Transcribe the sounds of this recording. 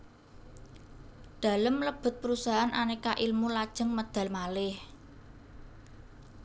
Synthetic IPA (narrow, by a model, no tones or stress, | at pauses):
d̪̥a̤ləmləb̥ʊ̤t̪̚pəɾusaɦanʔanekaʔilmulad̥ʒ̥ə̤ŋməd̪̥ä̤lmalɪh